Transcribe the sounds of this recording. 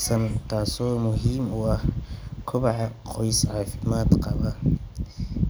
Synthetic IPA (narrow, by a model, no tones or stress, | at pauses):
sɐnt̪ʰaːsɔːmʊɦiːmʊɐhkʰʊβɑħɑqɔjsʕɑːfɪmaːd̪qɑβɐ